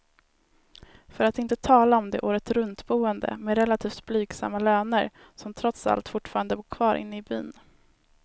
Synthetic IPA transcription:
fœɾat̪ɪnt̪ət̪ʰɑːlaɔmd̪ɛ̰ʔuːɾət̪sɾɵnt̪buːɛnd̪ə̰mɛɾɛlːat̪ʰiːft̪̚blyːɡsa̰mːaløːnəɾ | sɔmt̪ʰɾɔt̪sa̰lt̪fʊʈːfɑːɾand̪əvuːkʰvɑːɾʔɪ̰nːəɪby̰ːn

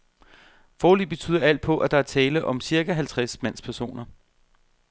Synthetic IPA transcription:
fɒːlyb̥e̝t͡sʰy̰ːð̰ˠɐæl̰d̥̚pʰɒ̽ʔæd̥ɑ̈æɐt͡sʰɛːləʔɒ̽msiɐɡ̥æɦælt͡sʰʁasmæn̰spʰæɐso̝̰ːnɐ

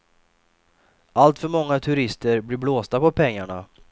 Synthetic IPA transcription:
alt̪fœɾmɔŋːat̪ʰɵɾɪst̪əɾblɪɾbloːst̪apɔpʰɛŋːaɳa̰

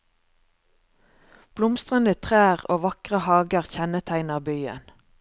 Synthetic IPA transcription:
b̥lʊmst̪ʁənət̪ʰʁæːʁoːʋɑkʁəhɑːɡəʁçɛnət̪ʰæɪnəʁbyːə̰n

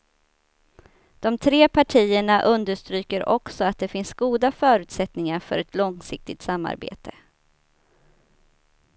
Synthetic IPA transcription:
d̪̥ɔmt̪ʰɾeːpʰaʈʰiːəɳaʔɵnd̪əʂt̪ɾyːkəɾʔɔksɔat̪̚d̪ɛfɪnsɡuːd̪afœːɾʉ̟ːt̪sɛt̪nɪŋaɾfœ̰ɾɛt̪lɔŋsɪk̚t̪ɪt̪samːa̰ɾbḛːt̪ʰə

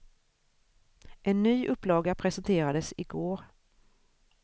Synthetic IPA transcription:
ʔɛnːyːʔɵpːlɑːɡapʰɾɛsɛnt̪ʰeːɾad̪əsɪɡoːɾ

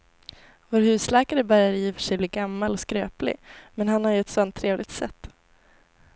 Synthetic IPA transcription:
voːɾhʉ̟ːslɛːkaɾəbœɾjaɾjiːfœ̥ʂɛjbliːɡamːalɔskɾø̰ːplɪ̰mɛnhanhaɾjɵɛt̪sɔnt̪ʰːɾeːvlɪɡ̚t̪sɛ̰t̪ː

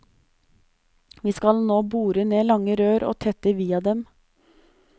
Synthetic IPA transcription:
ʋiːskɑlnoːbuːɾəneːlɑŋəɾøːɾo̰ːt̪ʰɛt̪əʋiːɑd̪ɛm

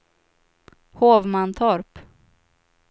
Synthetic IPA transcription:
hoːvmant̪ʰɔɾp

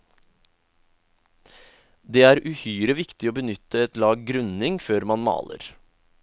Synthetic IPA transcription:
d̪eːæːɾʉhyːɾəʋɪkt̪ɪoːbənʏt̪əɛt̪lɑːɡɡɾʉnɪŋføːɾmɑnmɑ̰ːlə̰ɾ

